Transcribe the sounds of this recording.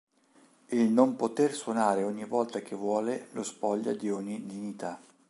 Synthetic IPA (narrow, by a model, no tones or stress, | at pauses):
elnompot̪erswonaːɾeɔɲːivɔlt̪ak̟evːwɔːlelospɔʎːa̰d̪iɔɲːid̪iɲːit̪a